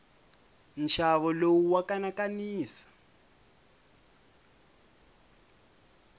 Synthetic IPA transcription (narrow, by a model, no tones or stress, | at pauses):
n̩ʃʰaβɔlowuwakanakaniːsḁ